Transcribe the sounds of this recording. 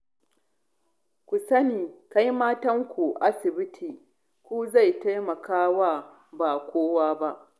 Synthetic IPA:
kʷu˨sɐ˦niː˨ka˦jmaː˦tɐ˦ŋkʷu˨ʔa˦sɪ˨bɪ˦tʰiː˨ | kʷuː˦za˦˨jta˦jmɐ˨kaː˦wa˦˨ | ba˨kʷoː˦waː˦ba˦ʔ

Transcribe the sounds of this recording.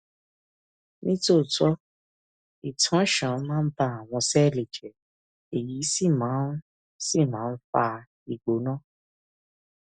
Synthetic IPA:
nĩ˦to˦˨tɔ˦ | i˨tʰã˨˦ʃã˨˦mãː˦n̩˦ba˧˨a˨w̃ɔ̃˧sɛ˦˨le˨d͡ʒɛ˨ | e˨ji˨˦si˦˨mãː˨˦ | si˦˨mãː˨˦fa˧ | i˨ɡ͡bo˨˦nãː˦˨

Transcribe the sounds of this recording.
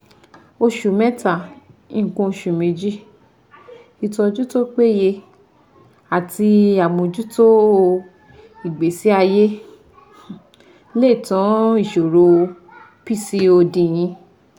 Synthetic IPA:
o˧ʃu˨mɛ̃˦ta˦˨ĩ˦˨kũ˧o˧ʃu˨mẽ˧d͡ʒi˦ | i˨tɔ̃˧d͡ʒu˦to˦k͡pe˦˨je˧ | a˨ti˧a˨mõ˧d͡ʒu˦to˦ | i˨ɡ͡be˨si˨˦a˧je˦ | le˦˨tɔ̃˨˦i˦˨ʃo˨ɾo˧ | pi˦˨si˧o˧dĩ˧j̃ĩ˧

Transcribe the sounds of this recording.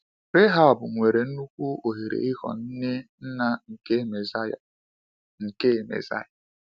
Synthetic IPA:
ɾe˦ɦa˨ɔ˨bʊ˨ŋʷe˨ɾe˨n̩˦nu˦kʷu˦o˨ɦe˨ɾḛ˨i˦kɔ̰˨n̩˦ne˦n̩˦na˦ŋ̩˨ke˦me˨za˦ja̰˨ | ŋ̩˨ke˦˨mḛ˨za̰˦ja˨

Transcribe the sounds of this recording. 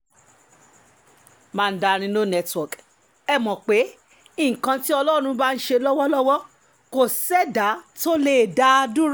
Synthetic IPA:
mã˦˧n̩˦da˧ɾ̃ĩ˧nõ˦nɛ˦˧twɔ˨k | ɛ˦˨mɔ̃˨k͡pe˨˦ | ĩ˦˨kã˧ti˦ɔ˧lɔ˦˨ɾ̃ũ˧ba˦n̩˦ʃe˧lɔ˦wɔ˦lɔ˦wɔ˦ | ko˨sɛ˦da˨˦to˦le˦˨da˨˦˧dũ˦ɾ

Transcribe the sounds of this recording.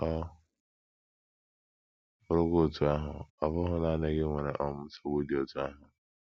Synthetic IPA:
ɔ˦ | ʊ˨ɾʊ˦ɡʷo˦˨tu˦a˦ɦʊ̰˨ɔ˨vʊ˦ɦʊ˦na˦˨ne˨ɡɪ˦ŋʷe˨ɾe˨ʔɔ˦m̩˦so˦wo˦di˨o˨tu˦a˦ɦʊ˨

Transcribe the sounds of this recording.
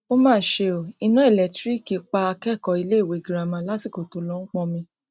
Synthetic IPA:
o˦mãː˦˨ʃe˧o˨i˧nũ˦e˦˨lɛ˨tɾi˦ki˨˧k͡pa˧a˧kɛ˦˨kɔ˧i˧le˦˨we˨˦˨ɡi˨ɾa˧˨mã˧˦la˦si˦˨ko˨to˨˧lɔ̃˨˦k͡pɔ̃˧mĩ˧

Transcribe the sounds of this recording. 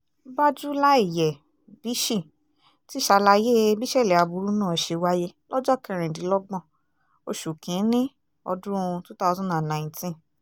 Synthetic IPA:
ba˦d͡ʒu˦la˦i˦˨jɛ˨ | b̥i˨˦ʃi˦˨ | ti˦˨ʃa˧la˧je˦bi˦ʃɛ˦˨lɛ˨a˧˨bu˨˧ɾu˦nãː˦˨ʃe˧wa˦je˦lɔ˦d͡ʒɔ˦˨kɛ̃˧ɾ̃ɛ̃˨di˨˦lɔ˦ɡ͡bɔ̃˦˨ | o˧ʃu˨kʰĩ˨˦nĩ˦ | ɔ̰˧dũ˦˧tu˦ta˦˧tũ˦nã˦˨nã˨ĩ˨tĩ˦˨

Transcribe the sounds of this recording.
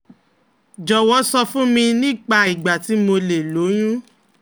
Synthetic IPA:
d͡ʒɔ˨wɔ˨˦sɔ˧fũ˦mĩ˧nĩ˦˨k͡pa˧˨i˨ɡ͡ba˨ti˨˦mo˧le˨lo˨˦j̃ũ˦

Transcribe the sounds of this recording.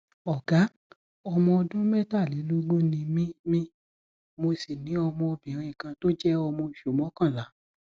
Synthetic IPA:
ɔ˨ɡ̥a˨˦ | ɔ˧mɔ̃˧ɔ˧dũ˦mɛ˦˨ta˦˨li˨˦lo˦ɡ͡bo˦nĩ˧mĩ˦mĩ˦ | mo˧si˨nĩ˨˦ɔ˧mɔ̃˧ɔ˧bĩ˨ɾ̃ĩ˧˨kã˧to˦d͡ʒɛ˦ɔ˧mɔ̃˧i˨ʃo˨mɔ̃˨˦kã˦˨la˨˦

